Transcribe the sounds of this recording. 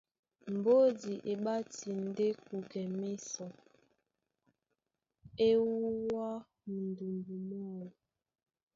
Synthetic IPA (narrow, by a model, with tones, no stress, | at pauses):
m̩˨bo˦di˨ʔe˨ɓa˦ti˨n˨˦de˦ku˨ɡɛ˨me˦sɔ˨ | e˦wuu˦wa˦ | mu˨ndu˨ndu˨nɔ˦˨